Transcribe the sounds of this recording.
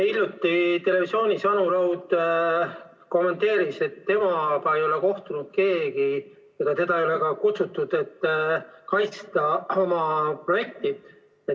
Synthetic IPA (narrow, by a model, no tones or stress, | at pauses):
ilʲjut̪ːˑit̪e̞le̞visio̞ːnʲisɑnulɑwd̪ | ko̞mːe̞nt̪e̞ːɾise̞t̪ːe̞mɑpɑejo̞le̞ko̞ht̪unud̪̥̚ke̞ːɡi | eɡ̥ɑt̪e̞d̪ɑejo̞le̞kɑkut̪sut̪ːˑud̪̥et̪ːˑkɑjt̪st̪ɑo̞mɑpro̞je̞k̚t̪i | e